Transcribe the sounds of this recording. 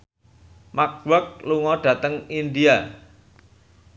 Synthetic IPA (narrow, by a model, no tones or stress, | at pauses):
mak̚wak̚luŋɔɖ̥ä̤t̪əŋind̪ia